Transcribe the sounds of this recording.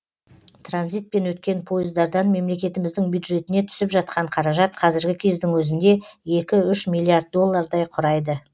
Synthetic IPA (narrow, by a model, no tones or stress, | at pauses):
t̪ranzijt̪̚pe̞nwɵt̪̚kʲe̞npʰo̞jɪzd̪ɑɾd̪ɑnme̞mle̞kʲe̞t̪ɪmɪzd̪ɪŋbjud̪ʒe̞t̪ɪne̞t̪ʰʏ̥sɪpʒɑt̪̚qʰɑɴqʰɑɾɑʒɑt̪qʰɑzɪɾɡʲɪkʲʰe̞zd̪ɪŋwɵzɪnd̪e̞e̞kʲɪʏʃmilʲːˠiard̪̚d̪o̞lˠːɑɾd̪ɑjqʰʊɾɑjd̪ə